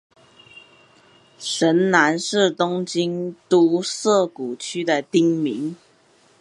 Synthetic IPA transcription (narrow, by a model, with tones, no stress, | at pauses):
ʂə˨˥nna˧˦nʂɻ̩˥˨t̪ʊ˥ŋt͡ɕi˥nt̪u˦sɤ˥˨˩ku˨˩t͡ɕʰy˥d̪ə˨t̪i˥ŋmi˨˦ŋ